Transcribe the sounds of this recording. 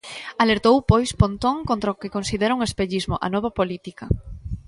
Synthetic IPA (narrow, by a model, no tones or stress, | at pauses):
aleɾt̪owpojspont̪oŋkont̪ɾaokɪkonsiðeɾɐuŋespeʎizmoʔa̰nɔβ̞ɐpolit̪ikɐ